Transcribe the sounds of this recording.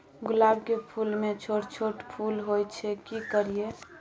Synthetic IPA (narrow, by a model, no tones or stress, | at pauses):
ɡʊlaːbkepʰulmet͡ʃʰoʈt͡ʃʰoʈpʰulɦojt͡ʃʰɛkikəɾie